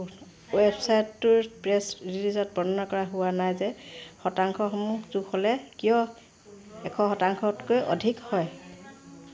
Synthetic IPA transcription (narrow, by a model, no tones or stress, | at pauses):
websajtːʊɹpɹɛsɹilizɔt̚bɔnɔnakɔɹaɦʊwanajzɛxɔtaŋkʰɔxɔmuzuxʰɔlɛkijɔ | ɛkʰɔ̃xɔtaŋkʰɔtkojʔɔ̰dʱikhɔj